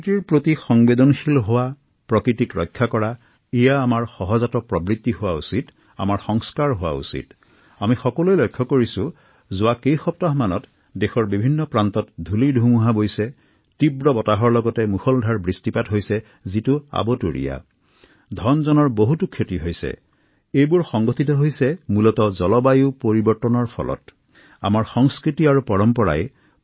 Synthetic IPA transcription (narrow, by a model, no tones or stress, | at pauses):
tiɹpɹotixɔŋbedɔnxilɦʊwa | pɹɔkɹitikɹɔ̰jkʰːakɔɹa | ijaːmaɹxɔɦɔzatɔpɹɔbɹit̪ːihʊwausit | a̰maɹxɔŋskaɹɦʊwa̰ṵsḭt | amixɔkɔlojlɔjkʰːɔkoɹisʊ | zʊwakejxɔp̚taɦmanɔt | dexɔɹbibʱinːɔpɹantɔtdʱulidʱumuɦabojsɛ | tibɹɔbɔtaɦɔɹlɔɡɔtɛmuxɔldʱaɹbɹistipatɦojsɛ | zitua̰bɔtuɹḭja̰ | dʱɔnzɔnɔɹboɦutukʰːetiɦojsɛ̰ | ejbʊɹxɔŋɡɔtʰitɔɦojsɛmulɔtɔzɔlɔbajuʊpoɹibɔɹtɔnɔɹpʰɔ̰lɔ̰t | a̰maɹxɔŋskɹitiaɹupɔɹɔmpɔɹa̰j